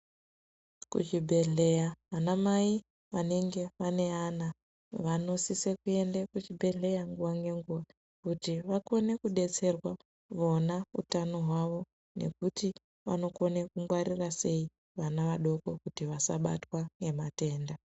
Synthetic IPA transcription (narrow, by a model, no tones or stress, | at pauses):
kṵt͡ʃibʱe̞ɮe̞jaʋanamai | ʋaneŋɡe̞ʋane̞ana | ʋano̞sisekue̞ndekut͡ʃibʱe̞ɮe̞jaŋɡuʋaŋɡe̞ŋɡuʋa | kutiʋako̞ne̞kuɗe̞t͡se̞rwa | ʋo̞naṵtano̞ɦwaʋo̞ | ne̞̰kuti | ʋa̰no̞ko̞nekuŋɡwarirase̞i | ʋanaʋaɗo̞ko̞kutiʋasaɓa̰twaŋɡe̞mate̞ːnda